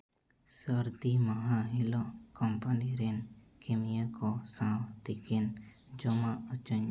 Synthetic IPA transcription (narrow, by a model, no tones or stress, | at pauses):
səɾd̪imaɦaɦilɔʔkɔmpaniɾɛn | kemijakɔsãwt̪ikɛn | d͡ʒɔmaʔət͡ʃəɲ